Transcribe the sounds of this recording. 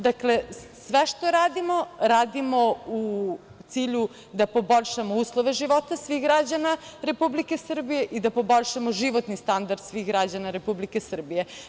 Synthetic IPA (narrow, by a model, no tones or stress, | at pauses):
d̪aklesʋeʃt̪oɾaːd̪imoɾaːd̪imo̞u | t̪siːʎu | d̪apo̞boʎʲʃamouːslˠoʋe̞ʒiʋot̪asʋixɡɾad͡ʑanaɾe̞publike̞sr̩bijeʔid̪apo̞boʎʲʃamoʒiʋot̪nist̪and̪aɾd̪̥sʋixɡɾad͡ʑanaɾe̞publikesr̩bije